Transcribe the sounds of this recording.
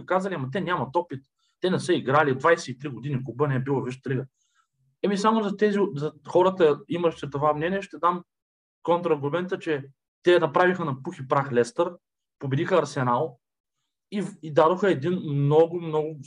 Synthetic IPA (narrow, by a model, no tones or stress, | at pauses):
kazəliamɐt̪ɛnʲamɐt̪ɔpit̪̚ː | ɛnɛsɤiɡɾalid̪vajsɛit̪ɾiɡod̪inʲikʊbənɛɛbilˠɐviʃt̪t̪liɡə | ɛmisamʊzɐt̪ɛzizɐxɔɾət̪əiməʃt̪ɛt̪ovamnɛnʲiɛʃt̪ɛd̪am | kɔnt̪ɾɐɡomɛnt̪ət͡ʃɛ | t̪ɛnɐpɾavixənɐpuxipɾaxlɛst̪əɾ | pobɛd̪ixəɐɾsɛnalˠ | iid̪ad̪oxəɛd̪inmnɔɡʊmnɔɡʊ